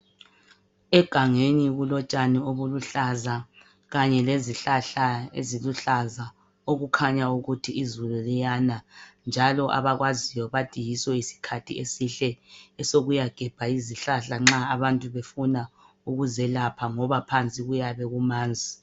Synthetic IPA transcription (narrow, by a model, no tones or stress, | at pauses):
ɛɡ̥ʱaŋeniɣulɔt͡ʃʼanioβuluɬaza | ɣaɲɛleziɬaɬaḛziluɬaza | oɣukʰaɲauɣutʰiːzululijanand͡ʒʱalɔʔa̰βaɣwazijɔβad̥ʱijisɔisi̥kʰatʰḭesiɬɛɛsoɣujaɡ̥ʱɛb̥ʱaiziɬaɬaŋ͡ǁaːβantʼuβefuna | uɣuzɛlapʰaŋɔβapʰant͡sʼiɣujaβɛɣumaːnd͡zʱi